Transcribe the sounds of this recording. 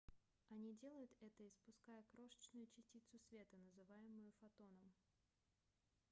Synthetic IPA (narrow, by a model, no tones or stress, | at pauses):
ɐnʲidʲe̞lˠəjʊt̪ɛt̪əɪspʊskajəkɾo̞ʂə̥t͡ɕnʊjʊt͡ɕɪsʲtʲit̪sʊsvʲe̞t̪ənəzɨvajɪmʊjʊfɐt̪o̞nəm